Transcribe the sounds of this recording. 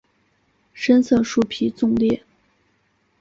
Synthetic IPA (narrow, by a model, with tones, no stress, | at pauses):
ʂə˥nsʰɤ˥˩ŋʂu˥˩pʰi˧˥t͡sʊ˥˧ŋljɛ˥˩